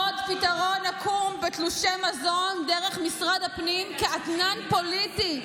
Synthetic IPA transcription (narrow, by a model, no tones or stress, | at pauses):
ot̪pitaʁo̞nakʰumbet̪luʃemazo̞nd̪eʁeχmisʁad̪hapnimkeʔat̪nanpo̞liti